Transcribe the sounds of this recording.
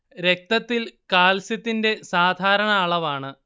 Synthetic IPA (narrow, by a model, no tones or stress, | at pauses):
ɾe̞k̚t̪ɐt̪ːilkaːlsjɐt̪ːinde̞saːd̪ʱaːɾɐɳɐːɭɐʋaːɳɨ